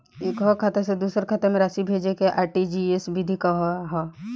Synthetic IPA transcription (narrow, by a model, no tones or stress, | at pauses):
eːkɦokʰat̪esed̪uːsəɾkʰat̪emẽɾasibʱeːd͡ʒekeʔaːʈid͡ʒiesbʱid̪ʱikaɦoɦɔ